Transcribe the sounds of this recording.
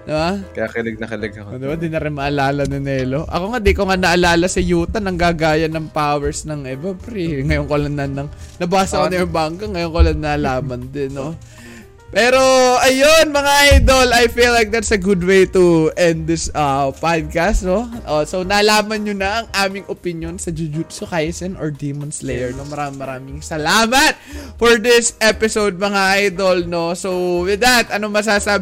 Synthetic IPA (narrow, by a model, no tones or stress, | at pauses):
d̪ɪbakɐjakɪlɛɡ̚nɐkɪlɛɡɐkod̪ɪbad̪inɐɾɪnmɐʔɐlaːlɐnʊnɛːlo̞ʔɐ̰ko̞ŋad̪ikoŋanɐʔɐlaːlɐsɐjuːt̪ɐnɐŋɡaɡaːjɐnɐŋpawɛɹsnɐŋɛbɐpɾiŋɐjoŋkolaŋnɐnɐŋnɐbaːsɐkonɐjoŋbaŋkɐŋɐjoŋkolaŋnɐlaːmɐnd̪ɪnːo | pɛːɾo̞ʔɐjonmɐŋaʔajd̪olɐjfilːajk̚d̪ɐt̪sɐɡud̪wejt̪uʔɛnd̪̚d̪ɪsɐpad̪̚kast̪noʔoso̞nɐlaːmɐnɲonɐʔɐŋʔaːmɪŋopɪnjonsɐd͡ʒʊd͡ʒut̪sokajsɛnoɹd̪imɐnslɛjɛɹnomɐɾaːmɪŋmɐɾaːmɪŋsɐlaːmɐt̪̚fɔɹd̪ɪsɛpɪsowd̪̚mɐŋaʔajd̪olno̞sowwɪd̪ɐt̪ʔɐnomɐs̬aːsaː